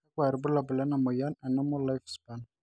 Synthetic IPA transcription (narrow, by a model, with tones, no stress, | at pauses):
a˦kwa˨ɾbu˦la˨bʊ˨la˦na˨mɔ˨ja˦na˨na˦mɔ˦la˦fsba˦n